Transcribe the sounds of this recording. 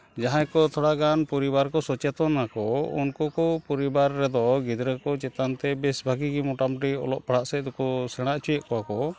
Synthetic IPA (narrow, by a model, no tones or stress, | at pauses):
d͡ʒaɦãkɔt̪ʰɔɽaɡanpɔɾibaɾkɔsɔt͡ʃɛt̪ɔnakɔṵnkɔkɔpɔɾibaɾːɛd̪ɔɡid̪ɾəkɔt͡ʃɛt̪ant̪ɛbɛsbʱaɡiɡimɔʈamʈiɔ̰lɔ̰ʔpaɽaʔsɛd̪ukɔsɛɽ̃aʔt͡ʃujɛʔkɔakɔ